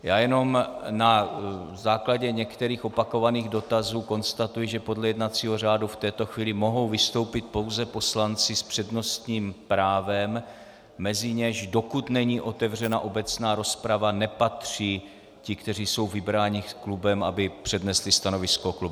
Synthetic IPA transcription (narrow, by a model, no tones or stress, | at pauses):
jaːjɛno̞mnazaːklaɟɛɲɛkt̪ɛɾiːxopako̞vaniːɣdo̞t̪azuːko̞nst̪at̪ujɪʒɛpo̞dlɛjɛdnat͡siːɦo̞r̝aːduft̪ɛːt̪o̞xviːlɪmo̞ɦo̞wvɪst̪o̞wpɪt̪̚po̞wzɛpo̞slant͡sɪspr̝̥ɛdno̞st̪ɲiːmpɾaːvɛmː | ɛzɪɲɛʃdo̞kut̪nɛɲiːʔo̞t̪ɛvr̝ɛnaʔo̞bɛt͡snaːɾo̞spɾavanɛpat̪r̝̥iː | cɪkt̪ɛr̝iːso̞wvɪbɾaːɲixklubɛmʔa̰bɪpr̝̥ɛdnɛslɪst̪ano̞vɪskoklub